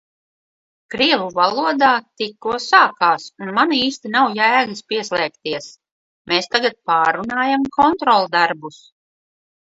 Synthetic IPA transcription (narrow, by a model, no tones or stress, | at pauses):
kɾiɛvuvalˠuɔd̪aːt̪ikːuɔsaːkaːsunmaniːst̪inawjæːɡɨspiɛslˠɛːkt̪iɛs | meːst̪aɡat̪̚paːɾunaːjamkʰɔnt̪ɾɔlˠd̪aɾbus